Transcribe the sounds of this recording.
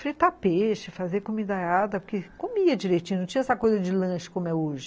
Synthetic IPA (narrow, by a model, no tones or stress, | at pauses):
fɾit̪apeʃɪfazeɐkomĩd̪aead̪ɐpʊkekomiɐd͡ʒiɾet͡ʃĩnũt͡ʃĩɐ̃ɛsɐkojzɐd͡ʒɪlɐ̃ʃɪ̥kõmʊɛoʒɪ